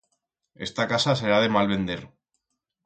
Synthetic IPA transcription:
e̞st̪akasase̞ɾaðe̞malβe̞nd̪e̞ɾ

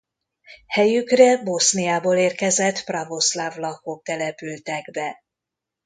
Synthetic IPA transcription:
hɛjykrɛbo̞snijaːboːleːrkɛzɛt̪prɒvo̞slavlɒkok̚t̪ɛlɛpylt̪ɛɡbɛ

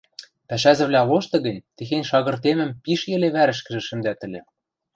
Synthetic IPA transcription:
pæʃæzɘ̆βlʲæloʃt̪ɤ̆ɣɘ̆nʲt̪ɘ̆xenʲʃɑɣɤ̆rt̪emɘ̆mpiʃjɘ̆leβæɾɘ̆ʃkɘ̆ʒɘ̆ʃɘ̆nd̪æt̪ɘ̆lʲĕ

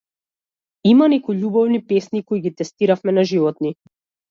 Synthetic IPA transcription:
imanɛkujʎʲubɔvnipɛsnikoiɡit̪ɛst̪iɾafmɛnaʒivɔt̪ni

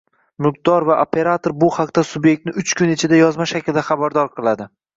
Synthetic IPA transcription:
mʊq̚d̪ɒɾvaʔopʰe̞ɾat̪ʰoɾbʊhaqt̪asʊbjek̚ʲt̪nɪʊt͡ʃkʰʊnɪt͡ʃʰɪd̪ajɒzmaʃakʲlɪd̪aχabaɾd̪ɒɾqʰɨlˠad̪ɪ

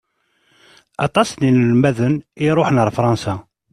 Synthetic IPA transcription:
ɑ̰t̪ˤɑsninəlmæðəniɾˤoħnəɾˤfɾˤɑnsæ

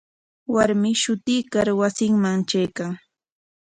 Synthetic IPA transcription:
waɾmɪʃʊt̪ɪjːkaɾwasɪŋmaŋt͡ʃajkaŋ

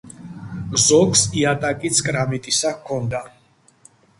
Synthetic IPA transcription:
zɔksiat̪ʼakʼit̪sʰkʼɾamit̪ʼisakʰɔnd̪a

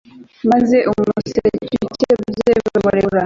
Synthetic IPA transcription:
maze̞ʔumusecuceeβuzeβeemuɾeɾa

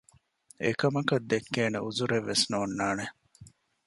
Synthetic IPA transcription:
ḛkɐmɐkɐd̪ːekːeːneʔuzuɾeʋːesnoːnːaːne

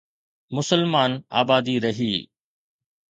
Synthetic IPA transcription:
mʊsəlmaːna̰ːbaːd̪iːɾɐɦiː

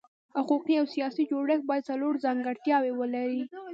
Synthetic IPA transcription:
hʊquqiawsijɑsid͡ʒoɽəxbɑjad̪̚t͡saloɽzɑŋɡaɽt̪jɑwewəlaɾi

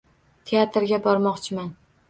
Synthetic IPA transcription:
t̪ʰeat̪ɾɡʲabɒɾmɒqt͡ʃʰɪman

